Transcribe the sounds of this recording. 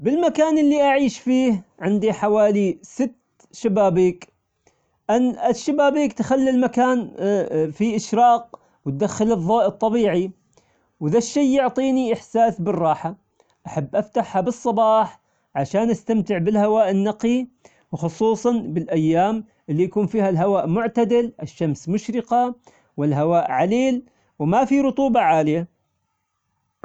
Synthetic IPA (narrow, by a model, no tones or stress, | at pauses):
bɪlmakaːnʔɪlːiʔaʕiːʃfiːhʕɪnd̪iħawaːlisɪt̪ː | ʃabaːbiːk | ʔanːʔɪʃːabaːbiːkt̪xalːilmakaːn | fiʔɪʃɾɑːq̚ | wt̪̚d̪axːɪlɨðˤːoːʔɨt̪ˤːɑbiːʕi | wðaʃːejːʊʕt̪ˤiːniʔɪħsaːsbɨrˤːɑːħa | ʔaħabːʔaft̪aħhabɨsˤːɑbɑːħ | ʕaʃaːnʔast̪amt̪ɪʕbɪlhawaːʔɪnːɑqi | wxʊsˤuːsˤɑnbɪlʔajːaːm | ʔɪlːijakuːnfiːhalɦawaːʔmʊʕt̪ad̪ɪlʔɪʃːamsmʊʃɾɪqa | wɪlɦawaːʔʕaleːl | wmafiɾʊt̪ˤuːbɑʕaːlɪja